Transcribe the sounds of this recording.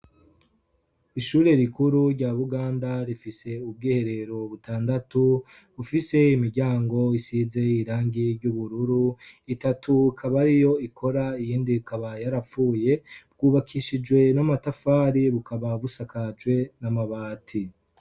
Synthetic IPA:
iʃuːɾe̞ɾikuɾuɾɟaβuɡaːndaɾifise̞ub̚ɡiːhe̞ɾe̞ɾo̞βutaːndatu | βufise̞imiɾɟaːŋɡo̞isize̞iɾaːŋɡiɾɟuβuɾuɾuitatʰukʰaβaɾijo̞ikʰo̞ɾaijiːndikaβajaɾafuːje̞bɡ̥uːβakʰiʃid͡ʒɡwe̞namatafaːɾiβukʰaβaβusakʰad͡ʒwe̞namaβaːtʰi

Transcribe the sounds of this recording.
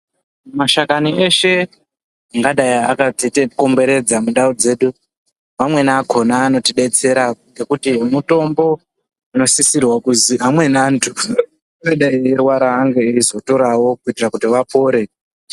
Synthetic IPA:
maʃakanie̞ʃe̞ | aŋɡaɗajiakatiteko̞mbe̞ɾe̞d͡zamuɗaud͡ze̞ːɗu | mamwe̞naːko̞naːno̞tiɗe̞t͡se̞ɾaŋɡe̞kutimuto̞mbo̞ | ano̞sisirwakuziɦamwe̞naːntʰu | inoɗaierwaɾaːŋɡe̞iizo̞to̞ɾawo̞kuitirakutiʋapo̞ːɾe̞

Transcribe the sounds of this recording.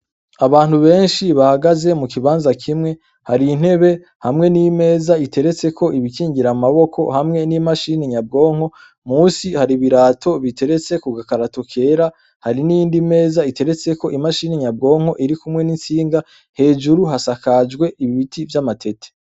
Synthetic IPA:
aβaːn̥huβe̞ːnʃiβahaɡaze̞mukiβaːnzakʰimŋe̞ | haɾin̥he̞βe̞ | hamŋe̞nime̞ːzaitʰe̞ɾe̞t͡se̞kʰo̞ʔiβikiːŋɡiɾamaβo̞kʰo̞̰hamŋe̞nimaʃiniɲab̚ɡo̞ːŋ̥ho̞ | muːsihaɾiβiɾaːtʰo̞βitʰe̞ɾe̞t͡se̞kuɡakaɾatokʰe̞ːɾa | haɾinijiːndime̞ːzaite̞ɾe̞t͡se̞ko̞ʔimaʃiniɲabɡo̞ːŋo̞ʔiɾikumŋe̞nint͡siːŋɡa | he̞ːd͡ʒuɾuɦasakad͡ʒɡwe̞ʔiβiβitʰivjamatʰe̞tʰe̥

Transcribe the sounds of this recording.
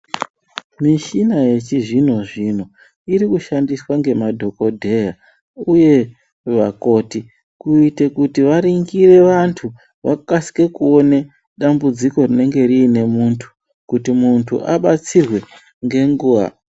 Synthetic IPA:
miʃinaje̞t͡ʃiʐin̤o̞ʐin̤o̞ | iɾikuʃandiswaŋɡe̞madʱo̞ko̞dʱe̞a | uje̞ | ʋako̞ti | kuitekutiʋaɾiŋɡire̞ʋantʰu | ʋakasi̥ke̞kuo̞ne | ɗambud͡ziko̞rine̞ŋɡe̞riːne̞muntʰu̥ | kutimuntʰṵʔaɓat͡sirwe̞ | ŋɡe̞ŋɡuːʋa̰

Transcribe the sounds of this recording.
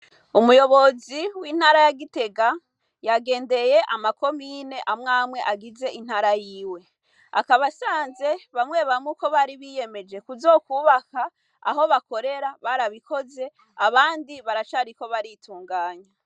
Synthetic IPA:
umujo̞βo̞ziwiːn̥haːɾajaɡite̞ɡa | jaɡe̞ːnde̞je̞ʔamako̞miːne̞ʔamŋaːmwe̞ʔaɡize̞ʔin̥haːɾajiːwe̞ | a̰kaβasaːnze̞βamŋe̞ːβamŋuko̞βaːɾiβije̞me̞d͡ʒe̞kuzo̞kuβaka | a̰ɦo̞βako̞ɾe̞ɾaβaɾaβiko̞ze̞ | aβaːndiβaɾat͡ʃaɾiko̞βaɾitʰuːŋɡaːɲa

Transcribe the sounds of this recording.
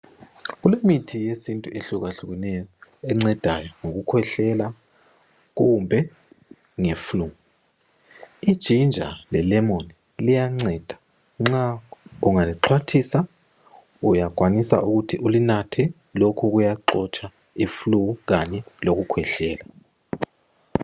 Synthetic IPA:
ɣulemitʰijesintʼuʔeɬuɣaɬuɣɛnɛjɔɛŋ͡ǀɛd̥ʱajɔŋoɣukʰwɛɬɛla | ɣumbʱɛ | ŋeflu | id̥ʒ̥ʱind͡ʒʱa̰lɛlɛmoni | lijaŋ͡ǀɛd̥ʱḁ | ŋ͡ǁauŋaliǁʰwatʰisa | ujaɡ̥ʱwanisa̰ʔuɣutʰiʔulinatʰɛ | lokʰuɣujaǃɔt͡ʃʼa | ifluuɣaɲɛloɣukʰwɛɬɛːla

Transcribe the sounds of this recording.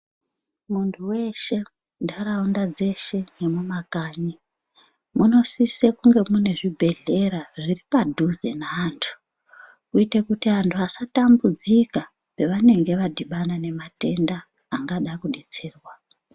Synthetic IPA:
muntʰuwe̞ʃe̞ | ndaɾaundad͡ze̞ʃe̞nemumakaːɲi | muno̞sisekuŋɡe̞mune̞ʐibʱe̞ɮe̞ɾaʐiripadʱuzḛnaːntʰu̥ | kuitekutiantʰuasatambud͡zika | pe̞ʋane̞ŋɡe̞ʋadʱiɓanane̞mate̞ndaː | ŋɡaɗakuɗe̞t͡se̞ːrwa

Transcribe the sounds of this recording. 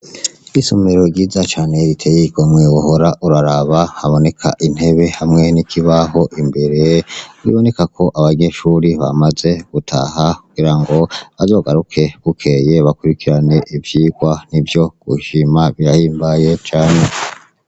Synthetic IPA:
isomeɾo̞ɡiːzat͡ʃaːne̞ɾitʰejiɡomwewuhoɾaʔuɾaɾaβahaβo̞ne̞kʰa̰ʔin̥he̞βe̞hamŋe̞nikʰiβaɦo̞ʔimbe̞ɾe̞ɾḭβo̞ne̞kakʰo̞ʔaβaɲe̞ʃuːɾiβa̰maze̞ɡ̥utʰa̰hakuɡ̥iɾaŋɡo̞βazo̞ːɡaɾukʰe̞ɡ̥ukʰe̞je̞βakuɾikʰiɾane̞ʔivjiɡ̥wanivjoɡ̥uʃimaβiɾahiːmbaje̞t͡ʃaːne̞

